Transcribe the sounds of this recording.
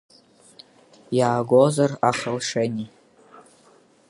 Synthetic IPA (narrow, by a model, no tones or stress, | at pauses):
jaːɡʷozaraχəlʂeni